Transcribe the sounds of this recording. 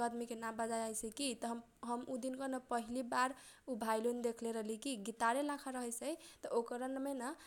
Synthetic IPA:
əd̪mikenabəd͡ʒajajsʰɛkit̪ɔɦm | ɦəmud̪inkənəpəɦilibaɾ | ubʱajlund̪ekʰleɾəɦlikiɡit̪aɾelakʰaɾəɦəsəjt̪ɔʔokəɾənmenə

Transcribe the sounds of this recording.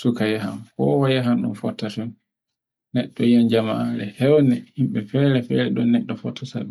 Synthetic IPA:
sukajaɦamkɔ̰wajaɦamɗṵnfɔtːatɔn | nɛɗːɔjand͡ʒamaaɾɛhɛwnɛhimɓɛfɛɾɛfɛːɾɛɗɔnɛɗːɔfɔ̰tʰːataɓɛ

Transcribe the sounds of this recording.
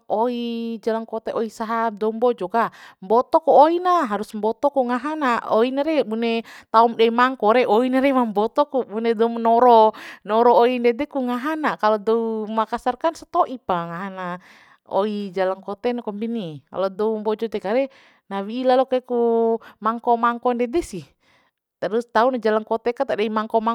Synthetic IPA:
ʔɔid͡ʒalaŋkɔt̪ɛʔɔisaɦadɔumbɔd͡ʒɔkambɔt̪ɔkuoinaɦaɾusmbɔt̪ɔkuŋaɦanaɔinaɾɛbunɛt̪aumdɛmaŋkɔɾɛʔɔinaɾɛmambɔt̪ɔkubunɛdɔmnɔɾɔnɔɾɔːindɛd̪ɛkuŋaɦanakalɔdɔumakasarkansḁt̪ɔʔipaŋaɦana | ɔ̰id͡ʒalaŋkɔt̪ɛnakɔmbinika̰lɔdɔumbɔd͡ʒɔt̪ɛkaɾɛ | nawiːlalɔkɛkumaŋkɔmaŋkɔndɛdɛsih | t̪aɾust̪aunad͡ʒalaŋkɔt̪ɛkat̪adaimaŋkɔmaŋ

